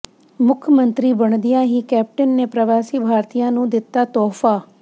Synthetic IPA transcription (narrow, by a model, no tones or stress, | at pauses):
mʊkʰəmənt̪ɾiːbəɳ̃d̪ɪjãːɦiːkɛːp̚ʈənːeːpɾəʋaːsiːbʱaːɾt̪ijãːnũːd̪ɪt̪ːaːt̪ɔːfʰaː